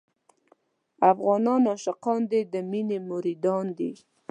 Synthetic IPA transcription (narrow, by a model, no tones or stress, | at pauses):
afɣɑnɑnɑʃɪqɑnd̪ed̪əminemʊɾid̪ɑnd̪i